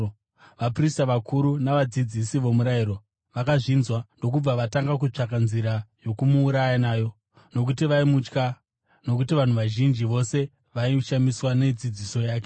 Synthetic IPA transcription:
ʋapristaʋakʰuɾunaʋad͡zid͡zisiʋo̞muɾajiɾo̞ | ʋakaʐinzwando̞kub͡vaʋataŋɡak̬ut͡ʂakanziɾajo̞kumuːɾajanaːjo̞ | no̞k̬utiʋaimut͡ʃka | no̞k̬utiʋan̤uʋaʒind͡ʒiʋo̞se̞ | ʋaiʃamiswane̞d͡zid͡ziso̞jaːke

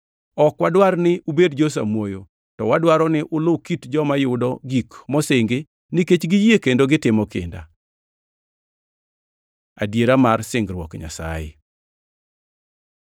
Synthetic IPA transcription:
ɔkwadwarnɪʔubedd͡ʒos̬a̰mwojo | tɔwadwaɾɔnɪʔʊlʊkitd͡ʒɔmajʊdɔɡikmɔsɪŋɡɪ | nɪket͡ʃɡijekendoɡɪtɪmɔkɪ̰nda̰ | adjeɾamarsɪŋɡrwɔkɲa̰sa̰jɪ̰

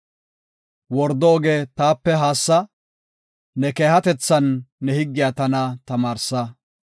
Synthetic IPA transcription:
wɔɾd̪ɔːɡeːt̪aːpːɛɦaːsːɐ | nɛke̞ːhɐt̪ɛt͡sːɐnːɛhɪɡːɪjat̪ɐnɐt̪ɐmaːɾsɐ

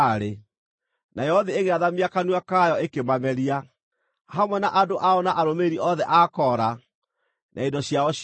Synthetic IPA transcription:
ɾe | najɛɔðieɣeaðamiakanwakajɔekemamɛɾia | hamwɛnaʔadoʔaɔnaʔaɾomeɾiʔɔðɛʔakɔɾa | nʔa̰endɔɕjaɔ

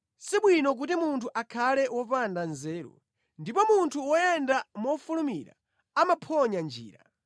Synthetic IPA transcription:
siɓwinɔk̬utimuntʰuʔakʰalɛwɔpandanzɛːɾɔ̰ | ndipɔmuntʰuwɔjɛndamɔfulumiɾa̰ | amapʰɔɲand͡ʒḭːɾa̰

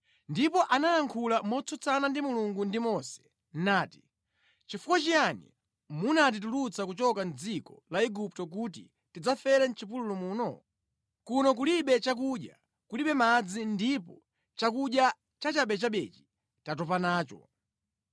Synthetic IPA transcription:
ndipɔʔanajaŋkʰulamɔt͡sɔt͡sanandimuluŋɡundimɔsɛ̥ | n̩naːti̥ | t͡ʃifukwat͡ʃijanḭ | munat̬itulut͡sakut͡ʃɔkan̩d͡zikɔ̰laiɡup̚tɔk̬ut̬ḭ | tid͡zafɛɾɛn̩t͡ʃipululɔmuːnɔ | kunɔkuliɓɛt͡ʃak̬uɗja̰ | kuliɓɛmad͡zindipɔ | t͡ʃakuɗja | t͡ʃat͡ʃaɓɛt͡ʃaɓɛt͡ʃi̥ | tatɔpanaːt͡ʃɔ̰

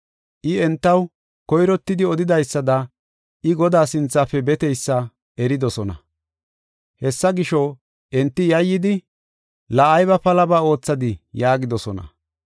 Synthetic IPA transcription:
ʔɪɛnt̪ːɐw | kɔjɾɔt̪ːɪd̪ɪɔd̪ɪd̪ɐjsːɐd̪ɐ | ʔɪɡɔd̪aːsɪnt͡sːaːfɛbɛt̪ɛjsːɐ | ʔɛɾɪd̪ɔsɔnɐ̰ | hɛsːɐɡɪʃɔ | ʔɛnt̪ːɪjɐjːɪd̪ɪ | lɐɐjβɐpɐlɐbaːo̞ːt͡sːɐd̪ɪjaːɡɪd̪ɔsɔnɐ̰

